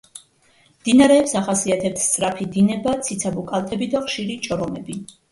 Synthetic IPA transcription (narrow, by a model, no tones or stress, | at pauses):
md̪̥inaɾɛːpsaχasiat̪ʰɛp̚t̪ʰst̪sʼɾapʰid̪inɛbat̪sʰit̪sʰabukʼalˠt̪ʰʼɛbid̪aχʃiɾit͡ʃʼɔɾɔmɛbi